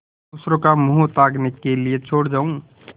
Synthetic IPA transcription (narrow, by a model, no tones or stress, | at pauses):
ʊsɾokamoɦot̪aːɡnɪkːeliet͡ʃʰoːɽd͡ʒaːũ